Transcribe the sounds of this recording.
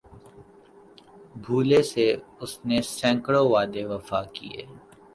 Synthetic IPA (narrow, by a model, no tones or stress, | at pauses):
bʱuːleseʊsnesɛ̃ːŋkɽoʋaːd̪eʋɐfaːkḭḛː